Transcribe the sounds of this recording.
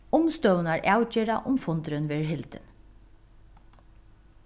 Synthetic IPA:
ʊmst̪œwnaɹʔawt͡ɕeːɾaʔʊmfʊnt̪ɾʏnʋeːɹɦɪlt̪ɪ̰n

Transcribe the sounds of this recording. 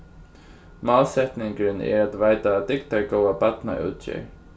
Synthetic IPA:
maːlsɛt̪nɪŋkɾɪnɛ̰ɹat̪vaːjt̪aːt̪ɪk̚t̪aɹkowapat̪na̰ʔṵwt̪ɕɛ̰ɹ

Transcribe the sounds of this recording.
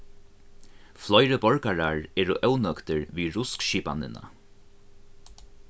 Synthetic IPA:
flɔjɾəbɔɹkaɹaɹɛːɹʊʔœwnœkt̪ɪɹʋiːɹʊskʃiːpa̰nd̪ɪ̰na̰

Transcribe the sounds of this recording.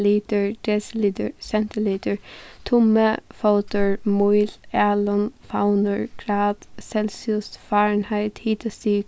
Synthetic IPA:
liːt̪əɹd̪̥ɛslit̪əɹsɛnt̪ɪliːt̪əɹt̪ʰʊməfoʊt̪əɹmuɪlæːlənfaʊnəɹɡ̥ʰɹɑːd̪̥sɛlsʊst̪fɑːɹɳhæɪt̪hiːt̪ʰəsyːk

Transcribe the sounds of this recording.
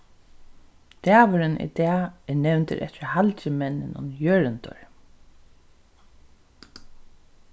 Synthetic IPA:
d̪̥æːʋʊɾɪnʔɪ̰d̪ɛːɛɹnɛwnt̪ɪ̰ɾʔɛ̰t̪ɪɹhalt͡ɕɪmɛnːɪnʊ̰njœːɹɪnt̪ʊ̰ɹ

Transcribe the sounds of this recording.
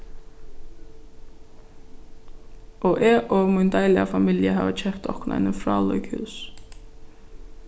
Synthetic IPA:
ʔɔʔɛʔɔmunt̪ajlɪa̰familjəɦa̰ːʋəcʰɛpt̪ʰɔ̰hkʰʊnʔa̰jnəfɾa̰ːlɔ̰ʏkhʉ̰ːs

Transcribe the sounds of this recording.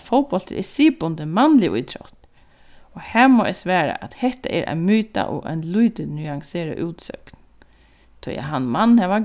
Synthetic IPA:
fɔwpɔl̥t̪ə̰ɾʔɛsiːpʊnt̪əmanlɪʔṵjt̪ʰɾɔ̰t̪ | ɔhæːmoːʔɛsʋɛːɹa̰ʔat̪hɛht̪aʔɛɾʔa̰ɪnmyːt̪a̰ʔɔ̰a̰ɪnlujt̪ɪnyaŋseːɾa̰ʔuːt̪sœ̰kn | t̪ʰʊja̰ɦanmanːhɛʋa

